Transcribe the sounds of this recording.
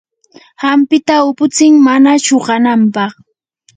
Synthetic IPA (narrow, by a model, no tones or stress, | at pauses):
hampɪt̪aʊpʊt͡sɪŋmanaʃoɢɑnampɑχ